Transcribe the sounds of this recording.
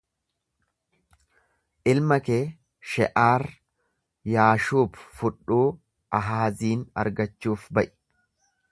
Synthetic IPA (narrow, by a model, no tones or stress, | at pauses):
ʔɪlmɐkeː | ʃɛ̰ʔaːɾ | jaːʃuːbfʊᶑːuː | ʔɐɦaːziːnɐ̰ɾɡɐt͡ʃːuːfbɐʔɪ̥